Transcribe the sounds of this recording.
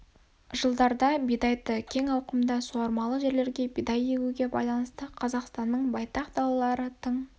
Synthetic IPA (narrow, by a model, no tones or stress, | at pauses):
ʒəlˠd̪ɑɾd̪ɑbijd̪ɑjt̪əkʲʰe̞ŋɑwqəmd̪ɑsuɑɾmɑlˠəʒe̞ɾle̞ɾɡʲe̞bijd̪ɑje̞ɡʲuɡʲe̞bɑ̰jlˠɑnəst̪əqʰɑzɑqst̪ɑnːəɴbɑjt̪ɑqd̪ɑlˠɑlˠɑɾət̪ʰəɴ